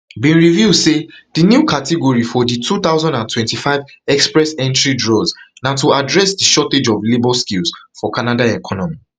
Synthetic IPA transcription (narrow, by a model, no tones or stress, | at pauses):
bĩnɹividsed̥injukatiɡɔɹifɔditʰut̪aʊzɔ̃ndãntwɛ̃ntifaɪv | ɛkspɹɛsɛ̃ntɹidɹɔznatuadɹɛsdiʃɔted͡ʒɔvlebɔskilsfɔkʰanadaɛkʰɔnɔmi